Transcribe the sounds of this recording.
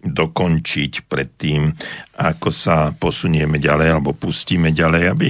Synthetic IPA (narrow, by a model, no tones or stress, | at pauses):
d̪ɔkɔnt͡ʃicpɾɛt̪ːiːmakɔsapɔsuɲʊɛmɛɟalɛjalɛbɔpusciːmɛɟalɛjabi